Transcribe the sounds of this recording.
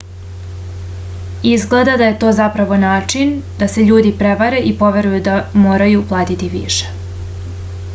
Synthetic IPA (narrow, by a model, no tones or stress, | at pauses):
izɡled̪ad̪aje̞t̪o̞ːzapɾaʋo̞naːt͡ʂind̪̥ase̞ʎuːd̪ipɾeʋaɾe̞ʔipo̞ʋe̞ɾujud̪amoːɾajuplˠaːt̪it̪iʋḭʃe̥